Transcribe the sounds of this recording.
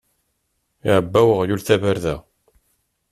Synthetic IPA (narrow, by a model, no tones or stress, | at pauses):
iʕəbːæwəʁjulθævəɾðæ